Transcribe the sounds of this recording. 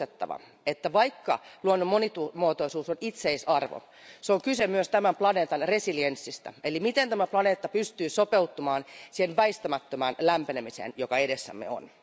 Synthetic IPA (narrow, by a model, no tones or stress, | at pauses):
et̪ːɑ̰ʋɑ̰ | et̪ːæʋɑikːɑ̰luonːumonit̪umuot̪oisuːsonit̪seisɑrʋo̰ | seoŋkysemyøst̪æmæmplɑne̞ːt̪ɑnre̞siliensːist̪æ̰elimit̪ent̪æmæplɑne̞ːt̪ːɑpyst̪yːsopeut̪ːumɑːnsihenʋæist̪æmæt̪ːømæːnlæmpenemisḛːnjokɑeɾesːæ̰mːḛo̰n